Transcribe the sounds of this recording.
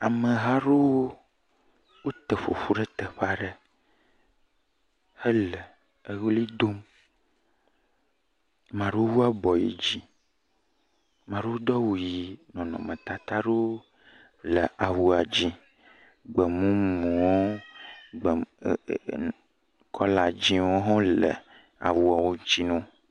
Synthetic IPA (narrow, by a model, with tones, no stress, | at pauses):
a˨mə̃˨ɦa˦ɖo˦wo˦ | wo˦t̪e˨ɸo̰˨ɸu˦ɖɛ˦t̪e˨ɸa˦ɖe˦ | he˦le˨ | e˦wo˦li˦d̪o˦m | mã˨ɖe˦wo˦wu˦a˦bɔ˨jḭ˨d͡ʑi˦ | mã˨ɖe˦o˦d̪ɔ˦wu˨ji˨nɔ̃˨nɔ̰̃˨mə̃˨t̪a˨t̪a˦ɖo˦ | lə˨ʔa˨wu˨a˨d͡ʑi˦ | ɡ͡bə˨mũ˦mũ˨wo˦ | ɡ͡b | kʰɔ˦la˨d͡ʑi˦wo˦ɦɔ̃˦lə̰˨ | a̰˨wu˨a˨wo˦ɲ˦t͡ʃi˦nɔ̃˦